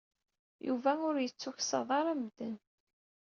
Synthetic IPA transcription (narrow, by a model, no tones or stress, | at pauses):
jṵvæʊɾjət͡sːʊçsɑ̰ðˤɑɾˤæmðən